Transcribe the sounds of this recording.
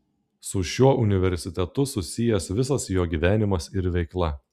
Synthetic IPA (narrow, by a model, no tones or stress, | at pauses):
sʊʃʲuɔʔʊnʲɪʋʲɛɾʲsʲɪt̪ʲɛt̪ʊsʊsʲɪjɛsʋʲɪsɐsjoːɡʲiːʋʲæːnʲɪmɐsɪɾʋʲɛɪklˠɐ